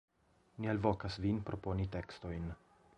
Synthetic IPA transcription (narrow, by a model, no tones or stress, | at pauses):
nielvokasvinpɾʔo̞po̞niteksto̞jn